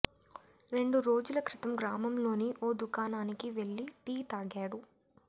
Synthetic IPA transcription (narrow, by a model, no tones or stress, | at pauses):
ɾe̞ɳɖuɾo̞ːd͡ʒulɐkɾit̪ɐmɡɾaːmɐmlo̞ːniʔoːd̪ukaːnaːnikiʋe̞ɭːiʈiːt̪aːɡaːɽu